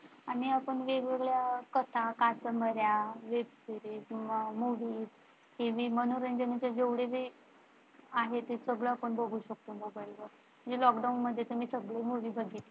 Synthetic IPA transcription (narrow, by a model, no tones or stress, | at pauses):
aɽ̃iapəɳʋeɡeɡɭjakət̪ʰakat͡səməɾjaʋebsiɾiːt̪muʋiːt | heʋiːmənoɾənd͡ʑənut͡ɕjad͡ʑeʋɽeʋi | aɦet̪esəɡɭəapəɳbʱəɡʱuːɕək̚t̪oməbəɭʋə | m̤əɳd͡zelɔkɖaunməd̪ʱjet̪əmiːsəɡɭemuʋiːbʱəɡʱit̪e